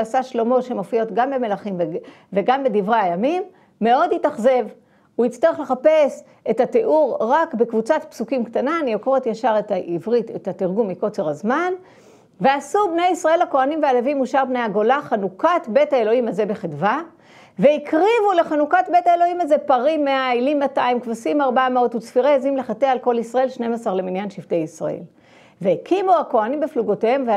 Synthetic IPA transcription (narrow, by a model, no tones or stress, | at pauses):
asaʃlo̞mo̞tʃemofijotɡambe̞me̞laχimv | veɡambedivʁeajamimː | e̞o̞dhitaχze̞v | uit͡st̪aʁeχleχape̞s | e̞tateʔuʁʁakbekvut͡satpsukimkt̪ananijoko̞ʁet̪jaʃaʁetaʔivʁitetat̪iʁɡumːiko̞t͡seʁazman | veasubne̞jisʁae̞lhako̞animvealevimuʃaʁbnejaɡo̞laχanukatbe̞thaelo̞himaze̞be̞χitva | veikʁivule̞χanukat̚be̞taelo̞himaze̞paʁimːeailimːataimkvosimaʁbamao̞tut͡sfiʁeezimle̞χatealko̞lisʁae̞lʃne̞masaʁle̞minjanʃivte̞jisʁa̰ʔḛl | veekʰimuako̞animbefluɡotehemve